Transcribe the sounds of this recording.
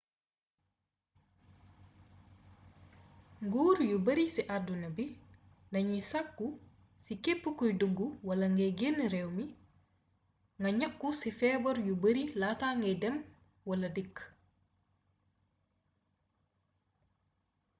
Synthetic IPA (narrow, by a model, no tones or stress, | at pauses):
ŋɡuːɾjubɐɾisiʔadunɐbi | ndɐɲisakːu | sikɛpːəkujduɡːuwɐlɐŋɡɐɡenɾɛwmi | ŋɡɐɲɐkːusifɛːbɔɾjubɐɾilataːŋɡɐdɛm | wɐlɐdikː